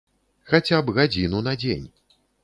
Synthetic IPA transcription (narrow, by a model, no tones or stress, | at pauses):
xat͡sʲabɣad͡zʲinunad͡zʲḛnʲ